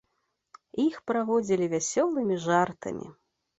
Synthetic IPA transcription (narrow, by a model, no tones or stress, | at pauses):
ixpɾaɣɔd͡zʲilʲivʲasʲɔlˠɨmʲiʐart̪ɐ̰mʲḭ